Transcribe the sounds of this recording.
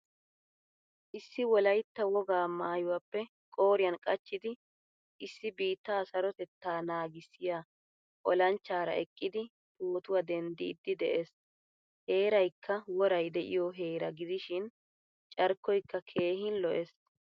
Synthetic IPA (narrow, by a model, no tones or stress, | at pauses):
ʔɪsːɪwɔlɐjt̪ːɐwɔɡaːmaːjʊwapːɛ | kʼo̞ːɾɪjɐnkʼɐt͡ʃːɪd̪ɪ | ʔɪsːɪbiːt̪ːaːsɐɾɔt̪ɛt̪ːaːnaːɡɪsːɪja | ʔɔlɐnt͡ʃːaːɾɐ̰ʔɛkʼːɪd̪ɪ | t̪uːt̪ʊwɐd̪ɛnd̪ɪːd̪ːɪd̪ɛʔeːs | he̞ːɾɐjkʰːɐwɔɾɐjd̪ɛʔɪ̰jɔɦeːɾɐɡɪd̪ɪʃɪn | t͡ʃʼɐɾkːɔjkːɐkʰe̞ːɦɪnlɔʔes